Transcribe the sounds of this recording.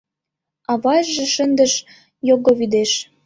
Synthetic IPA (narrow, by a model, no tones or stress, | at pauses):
ɑβɑjʒĕʃənd̪əʃ | joɣoβid̪eʃ